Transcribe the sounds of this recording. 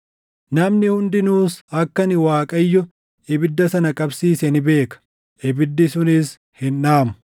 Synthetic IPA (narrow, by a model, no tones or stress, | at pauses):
nɐmnɪhʊnd̪ɪnuːsɐkːɐnɪwaːkʼɐjːʊ | ʔɪbɪd̪ːɐsɐnɐkʼɐbsiːsɛnɪbe̞ːkɐ̥ | ʔɪbɪd̪ːɪsʊnɪs | hɪnʔaːmʊ̥